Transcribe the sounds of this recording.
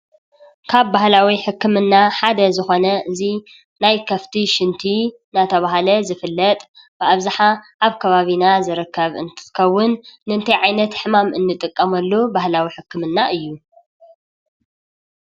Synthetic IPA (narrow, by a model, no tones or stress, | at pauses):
kʰaβbahlawiħɨkʰːɨmɨnːaħad̪ɐzɨxo̞nɐɨzi | najkʰɐft̪ʰiʃɨnt̪ʰi | nat̪ʰɐβaɦalɐzɨfɨlːɐt̪ʼ | b̥ɨʔaβzaħaʔaβkʰɐβaβinazɨɾɨkːɐβɨ̰nt̪ʰɨ̥kɐwːʊnːɨɨnt̪ʰɐjʕajnɐt̪ħɨmamʔɨnːɨt̪ʼɨkʼːɐmɐlːobahlawiħɨkːɨmɨnːaʔɨjːu